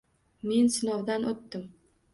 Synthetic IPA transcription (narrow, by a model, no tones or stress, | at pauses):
me̞nsɪnɒwd̪anʔot̪ːɪm